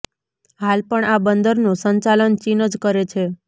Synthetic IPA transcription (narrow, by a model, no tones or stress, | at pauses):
ɦalpəɳabənd̪əɾnũsəɲt͡ʃalənt͡ʃinəd͡ʒkəɾet͡ʃʰe